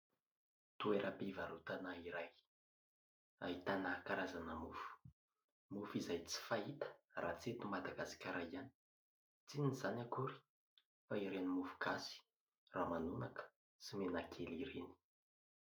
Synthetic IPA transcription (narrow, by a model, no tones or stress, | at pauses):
t̪ueɾʔəpivaɾut̪anaiɾaj | a̰ɦit̪anakaɾazanəmufu̥ | mufizajt͡si̥faɦit̪ə̥rat͡set̪umad̪aɡasḁkʲaɾajani̥ | t͡sinizanakuɾi̥ | faiɾenimufu̥kasi̥ | ramanunakə̥ | simenakʰeliɾeni̥